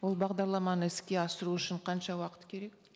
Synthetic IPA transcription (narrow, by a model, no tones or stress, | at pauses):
wo̞lˠbɑʁd̪ɑɾlˠɑmɑnəɪskʲe̞ɑsəɾuʏʃɪɴqʰɑnʃɑwɑqə̥t̪kʲʰe̞ɾe̞k̚